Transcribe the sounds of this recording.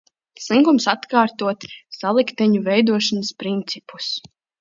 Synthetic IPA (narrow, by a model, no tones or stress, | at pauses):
sˠiŋkumsat̪kaːɾt̪uɔt̪salˠikt̪ɛɲuvɛjd̪uɔʃanəspɾint̪sipu̥s